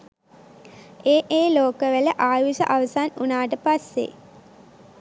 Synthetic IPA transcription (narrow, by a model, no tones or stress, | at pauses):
eːʔeːloːkəʋeləʔaːʋisə̰ʔaʋəsaːnunaːʈəpasːḛ